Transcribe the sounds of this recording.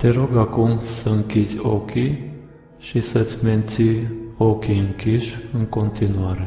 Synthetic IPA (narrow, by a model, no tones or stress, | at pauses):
t̪ʰɛɾɔɡɑkumsəŋkit͡sɔ̰ki | ʃisɛt͡sʰmɛnt͡sʰiɔkʰiŋkʰiʃəŋkɔnt̪inuɑɾɛ